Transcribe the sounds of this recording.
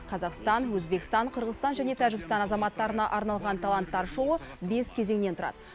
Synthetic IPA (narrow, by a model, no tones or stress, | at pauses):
qʰɑzɑqst̪ɑnwɵzbe̞kʲɪst̪ɑɴqʰəɾʁəzst̪ɑnʒæne̞t̪ʰæʒɪɡʲɪst̪ɑnɑzɑmɑt̪ːɑɾənɑʔɑɾnɑlˠʁɑnt̪ʰɑlˠɑnt̪ːɑɾʃowəbe̞skʲʰe̞ze̞ŋne̞nt̪ʰʊɾɑ̰d̪ə